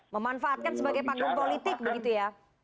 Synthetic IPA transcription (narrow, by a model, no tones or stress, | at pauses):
məmanfaat̪̚kansəbaɡajpaŋɡʊŋpolit̪ɪk̚bəɡit̪uja